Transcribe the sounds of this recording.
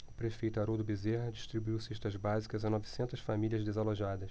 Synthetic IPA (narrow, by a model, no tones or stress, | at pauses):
ʊpɾefejt̪ʊaɾod̪ʊbizeɦɐd͡ʒiʃt̪ɾibuiwseʃt̪ɐzbazikɐzãnɔvisẽnt̪ɐsfamiliɐzd̪ezaloʒad̪ɐʃ